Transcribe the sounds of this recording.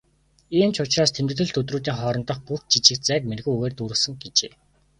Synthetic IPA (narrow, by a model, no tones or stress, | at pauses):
iːmt͡ɕʰʊt͡ɕraːst̪ʰemt̪ɘ̆t̪ɘ̆ɮt̪ʰɵt̪ruːt̪̬iːŋχɔːɾɞ̆nt̪ɞ̆χpux̚t͡ɕit͡ɕɪ̆k̪t͡sæːk̚merɣuːuɣeːrt̪uːɾɘ̆sɘ̆ŋɡet͡ɕḛː